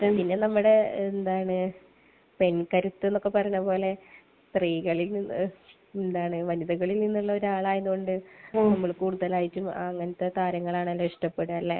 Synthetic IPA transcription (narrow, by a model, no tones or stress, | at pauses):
pinːe̞nɐmːuɽe̞end̪aːjɳɨ | pe̞nkɐɾut̪ːɨe̞nːo̞kːe̞pɐrɐɲːɐpo̞ːle̞ | st̪riːɣɐɭilnin | end̪aːɳɨʋɐniðɐɣɐɭilninːuɭːɐo̞ɾaːɭaːjeðuɣo̞ɳɖɨnɐmːɐɭkuːɽuðɐlaːjitʲːumɐŋːɐnɐt̪ːe̞t̪aːɾɐŋːɐɭaːɳɐlːɐiʂʈɐpːe̞ɽuɐlːḛ